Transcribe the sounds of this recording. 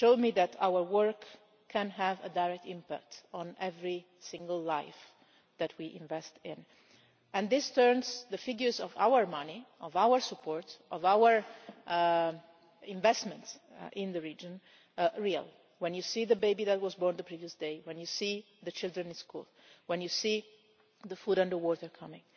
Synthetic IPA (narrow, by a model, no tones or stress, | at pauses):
ʃoʊdmiðætʰa̰wəɹwəɹkʰː | ɛ̃nɦævə̰daɹɛk̚tɪ̃mpæ̰k̚tʰɔ̃nɛvɹi | sɪ̃ŋɡəlˠlaɪf | ðætʰwiʔɪ̃ɱvɛstɪ̃n | ɛ̃nd̪ɪstɜɹnzðəfɪɡjə˞zɔva̰wəɹmʌniʔɔvawəɹsəpʰɔɹtʔɔvawə˞ | ɪ̃ɱvɛstmɛ̃ntsʔɪ̃nðəɹid͡ʒə̃n | ɹia̰l | wɛ̃njusiðəbeɪbiðæt̚wɔzbɔɹnðəpɹiviəsdeɪwɛ̃njusi | ðət͡ʃɪld̪ɹɛ̃nɪ̃nskṵl | wɛ̃njusi | ðəfudãnd̪əwɔtəɹkʰʌmɪ̃ŋ